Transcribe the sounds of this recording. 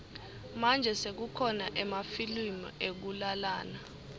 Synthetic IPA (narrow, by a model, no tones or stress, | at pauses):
mand͡ʒʱɛsek̬ukʰɔnaʔɛmafilimɔek̬ulalaːna